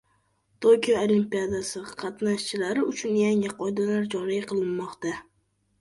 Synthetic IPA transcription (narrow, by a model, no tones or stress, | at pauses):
t̪ʰokʲijoolimpijad̪asɪqʰɑt̪naʃt͡ʃʰɪlaɾɪʊt͡ʃʰʊnjaŋɪqʰɒjd̪alaɾd͡ʒɒɾɪjqʰɨlˠɪnmɒqt̪a